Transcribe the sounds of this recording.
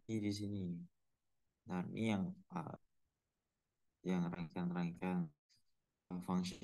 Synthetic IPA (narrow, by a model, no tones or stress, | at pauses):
idis̬ini | darmʔḭjaŋə̰ | jaŋɾaŋkanɾaŋikan | faŋs